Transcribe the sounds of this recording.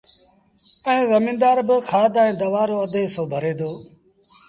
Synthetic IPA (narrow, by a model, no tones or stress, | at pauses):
ɛ̃ːzəmĩːnd̪aːɾbɪkʰaːd̪ẽːd̪əʋaːɾoːəd̪eːsoːbʱəɾeːd̪oː